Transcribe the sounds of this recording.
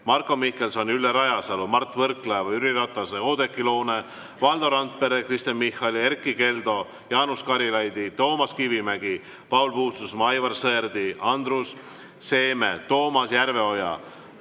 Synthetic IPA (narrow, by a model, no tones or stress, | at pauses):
mɑrkːˑo̞mihke̞lsɑnʲylːeɾɑjɑsɑlumɑrt̪ːˑvɤrklɑvɑyɾiɾɑt̪ˑːɑseo̞ːd̪e̞kːilo̞ːne | vɑld̪oɾɑnt̪̚pe̞ɾekrist̪enmihːɑlie̞rkːˑike̞ld̪̥o̞ | jɑːnuskɑɾilɑjd̪it̪o̞ːmɑskivimæɡi | pɑulpuːst̪usmɑjvɑrsɤerd̪iʔɑnd̪rusː | e̞ːme̞t̪o̞ːmɑsjærve̞o̞jɑ̰